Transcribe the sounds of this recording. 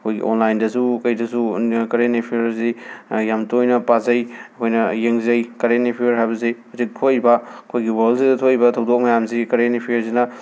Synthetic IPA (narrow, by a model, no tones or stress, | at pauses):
ɐkʰojɡḭʔo̰nlajndɐsukɐjdɐsukɐɾenepʰiɾzijamtojnɐpazɐjɐkʰojnɐjeŋzɐjkɐɾenepʰiɐɾɦajbɐziɐzik̚tʰoibɐɐkʰojɡiwɐlzidɐtʰoibɐtʰɐwdok̚mɐjamzikɐɾenepʰijɐɾzinɐ